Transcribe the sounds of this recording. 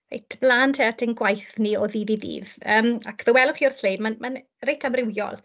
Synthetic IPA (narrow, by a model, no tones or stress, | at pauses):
rḛjtʰb̥laːntʰeatʰənɡwajθniɔðiðiðḭːvəːmakʰvəwɛlˠʊχiːɔrslejdmanman | rejtʰamrɪwjɔ̰lˠ